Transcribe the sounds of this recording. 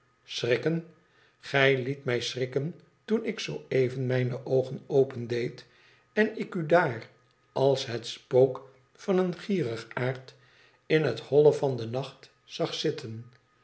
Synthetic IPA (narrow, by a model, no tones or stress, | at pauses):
srɪkən | χɛjlitmɛjsrɪkən | tunɪksowejvənmɛjnəʔowχənowpəndejt | ɛnɪkydaːr | ʔɑlˠsɦətspowk | fɑnənχiːrəχaːɹt | ɪnɦəthɔləvɑndənɑχt | sɑχsɪtʰən